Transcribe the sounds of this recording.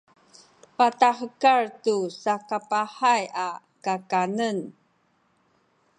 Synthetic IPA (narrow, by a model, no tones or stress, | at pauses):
pataħəkaɹtusakapaħaja | kakanən